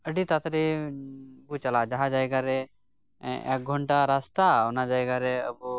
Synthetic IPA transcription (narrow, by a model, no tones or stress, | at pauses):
əɖit̪at̪ɾɛ | but͡ʃalad͡ʒaɦad͡ʒajɡaɾɛ | ɛ̰k̚ɡʱɔɳʈaɾast̪aɔnad͡ʒajɡaɾɛəbu